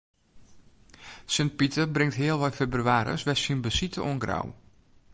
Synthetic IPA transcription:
sɪnt̚pitəbrɪŋtɦɪəlˠʋɔjfebryaːɾə̰sʋɛsinbəsitəʔɔnɡra̰w

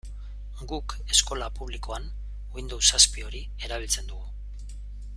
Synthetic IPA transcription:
ɡuk | e̞sko̞lapuβ̞liko̞an | wind̪owsaspio̞ɾi | e̞ɾaβ̞ilt͡se̞nd̪uɣu

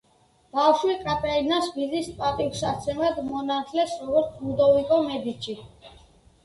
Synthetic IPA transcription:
b̥afʃwikʼat̪ʼainasbizispʼat̪ʼiusat̪sʰɛmad̪mɔnat̪ʰʼlɛsɾɔɡɔɾt̪sʰmud̪ɔvikʼɔmɛd̪it͡ʃʰi

